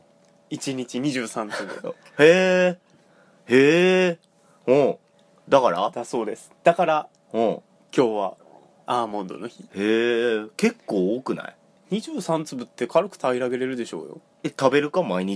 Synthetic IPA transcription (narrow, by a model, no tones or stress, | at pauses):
it͡ɕiɲ̟it͡ɕiɲ̟iʑɨːsãnt͡sɨbɯ̰ | heː | heː | hõː | d̪akaɾa̰d̪̥aso̞ːd̪e̞sɨ̥d̪̥akaɾa | hõː | kʲo̞ːβa̰ | aːmõ̞nd̪o̞̰noçiheːke̞kːoːoːkɯ̟na̰i | ɲ̟iʑɨːsãnt͡sɨbɯ̟t̪ːe̞kʰaɾɯ̟kɯ̥t̪aiɾaɡe̞ɾe̞ɾɯ̟d̪e̞ɕo̞̰ːjo̞̰ | et̪abe̞ɾɯ̟kamaiɲ̟i